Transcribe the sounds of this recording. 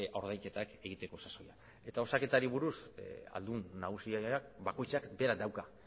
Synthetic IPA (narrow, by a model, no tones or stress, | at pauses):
o̞ɾð̞ajke̞t̪ake̞ɣ̞it̪e̞ko̞saso̞ja | e̞t̪ao̞sake̞t̪aɾiβ̞uɾusa̰ld̪unːaɣ̞usiakbako̞jt͡sakbe̞ɾad̪awka